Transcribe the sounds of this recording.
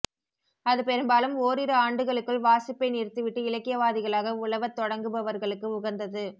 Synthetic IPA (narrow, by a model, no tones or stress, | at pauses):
ɐðɯpɛɾɯmbaːlɯmoːɾɪɾɯaːɳɖɯɣɐɭɯkːɯɭʋaːsɪpːɐɪniːrt̪ːɯʋɪʈːɯɪlɐkːɪjɐʋaːðɪɣɐɭaːɣɐʊɭɐʋɐt̪ːɔɽɐŋɡɯbɐʋɐɾɣɐɭɯkːɯʊɣɐnd̪ɐðɯ